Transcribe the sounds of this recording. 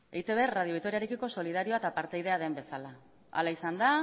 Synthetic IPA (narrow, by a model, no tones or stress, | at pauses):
ejt̪e̞βerrað̞ioik̚t̪o̞ɾiaɾe̞kiko̞so̞lið̞aɾio̞at̪apaɾt̪ejð̞e̞aðe̞mbe̞sala | a̰laisand̪a